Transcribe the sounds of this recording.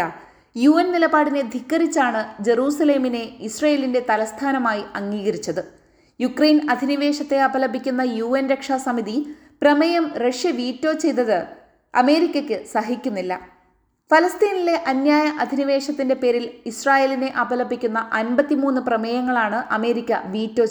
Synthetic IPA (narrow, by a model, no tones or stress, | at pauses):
juːɐnnilɐbaːɽine̞d̪ʱikːɐrit͡ɕːaːɳɨd͡ʑe̞ɾuːsɐle̞ːmine̞isrɐːje̞linde̞t̪ɐlɐst̪ʰaːnɐmaːjiɐŋːiːɣɐɾit͡ɕːɐðɨ | jukrejnɐd̪ʱiniʋe̞ːʂɐt̪ːe̞ɐbɐlɐbːikʲːunːɐjuːenɾekʂaːsɐmiði | prɐmɐjɐmrɐʂjɐʋiːtːo̞ːt͡ɕe̞jt̪ɐðɨ | ɐ̰me̞ːɾikʲːɐkʲːɨsɐɦikʲːunːilːɐ̰ | fɐlɐst̪iːnile̞ʔɐnjaːjɐʔɐd̪ʱiniʋe̞ːʂɐt̪ːinde̞pe̞ːɾilisraːje̞ːline̞ʔɐbɐlɐbːikʲːunːɐʔɐnbɐt̪ːimuːnːɨprɐmejɐŋːɐɭaːɳɨʔɐme̞ːɾikʲːɐ̰ʋiːtːo̞ː